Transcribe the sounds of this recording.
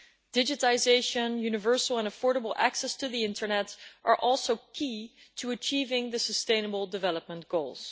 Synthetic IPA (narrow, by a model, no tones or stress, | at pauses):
d̥ɪd͡ʒɨtɪzeɪʃɨ̃njʉnɨvɜ˞sl̩ˠə̃nəfɔɹɾəbl̩ˠæ̰ksɛstʰɨðiɪ̃ntʰə˞nɛtʔə˞ʔɔlˠsoʊkʰi | tʰɨət͡ʃiːvɪ̃ŋðɨsəstẽɪ̃nəbl̩ˠdɨvɛlˠəp̚mə̃nɡ̥oʊlˠz̥